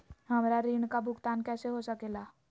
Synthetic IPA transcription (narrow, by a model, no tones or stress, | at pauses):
ɦɐmɾaɾiːɳ̃kabʱʊkt̪aːnkɛːseɦosəkeːɡaː